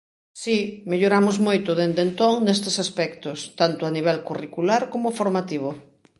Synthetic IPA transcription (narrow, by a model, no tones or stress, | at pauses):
simeʎoɾamʊzmojt̪ʊðend̪ent̪oŋnest̪esaspɛkt̪ost̪ant̪ʊaniβ̞ɛlkurikulaɾkomʊfoɾmat̪iβ̞o